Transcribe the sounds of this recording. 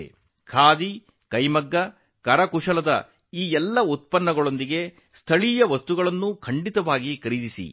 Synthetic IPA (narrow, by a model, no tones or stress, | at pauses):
kʰaːd̪i | kɐjmɐɡːɐ | kɐɾɐkuʂɐlɐd̪ɐ̰ | iːɛlːɐut̪̚pɐnːɐɡɐɭo̞nd̪iɡe̞ | st̪ʰɐɭijɐʋɐst̪uɡɐɭɐnːukʰɐɳɖit̪ɐʋaːɡikɐɾid̪isḭ